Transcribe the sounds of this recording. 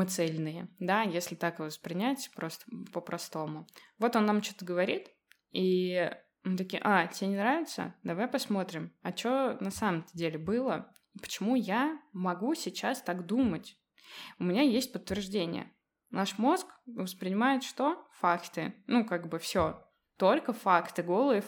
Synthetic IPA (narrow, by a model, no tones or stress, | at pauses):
ɨt̪sɛlʲnɨjəd̪ajesʲlʲɪt̪akɨvəspɾʲɪnʲætʲpɾo̞st̪ə̥pəpɾɐst̪o̞mʊvo̞t̪o̞nːamt͡ɕot̪əɡəvɐɾʲit̪ | i | mɨt̪ɐkʲiʔatʲɪenʲɪnɾavʲɪt̪sə̰d̪ɐvajpɐsmo̞t̪ɾʲɪmɐt͡ɕonɐsaməmt̪ədʲelʲɪbɨlˠə | ipə̥t͡ɕɪmujamɐɡusʲɪt͡ɕast̪akd̪umətʲ | ʊmʲɪnʲajesʲt̚ʲpət̪ːvʲɪrʐdʲenʲɪ̰jə̰ | naʂmo̞skvəspɾʲɪnʲɪmajɪt̪ʂt̪o̞fakt̪ɨnukaɡbɨfsʲo | t̪o̞lʲkəfakt̪ɨɡo̞lˠɨɪ